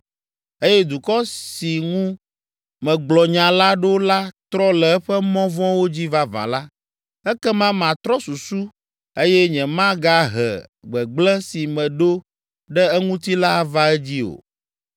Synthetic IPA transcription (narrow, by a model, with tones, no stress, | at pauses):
e˦jɛ˦d̪u˨kɔ˦si˨ŋũ˦ | mɛ̃˨ɡ͡blɔ˨ɲã˨la˦ɖo˦la˦t̪ɾɔ˦lɛ˨ɛ˦ɸɛ˦mɔ̃˦vɔ̃˦wo˦d͡ʑi˦va˦vã̰˨la˦ | ɛ˦kɛ˦mã˦mã˨t̪ɾɔ˦su˨su˦ | e˦jɛ˦ɲɛ̃˨mã˦ɡa˦ɦɛ̰˨ɡ͡bɛ˨ɡ͡blɛ̃˦si˨mɛ̃˨ɖo˦ | ɖɛ˦ɛ˦ŋũ˦t̪i˦la˦˨va˦ɛ˦d͡ʑi˦o̰˨